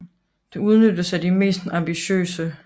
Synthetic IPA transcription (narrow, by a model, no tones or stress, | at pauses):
d̥e̝uð̞ˠnødəsædime̝̰ːsd̥ɑ̈mb̥iɕø̰ːsə